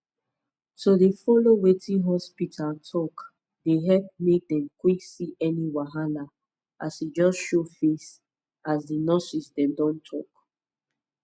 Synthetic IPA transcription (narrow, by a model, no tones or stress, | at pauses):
sodefɔlowetĩɦɔspitʰaltʰɔk | deɦɛp̚mek̚dɛ̃mkwiksiʔɛniwaɦana | ʔasid͡ʒɔsʃofes | asdinɔsisdɛ̃mdɔ̃ntʰɔk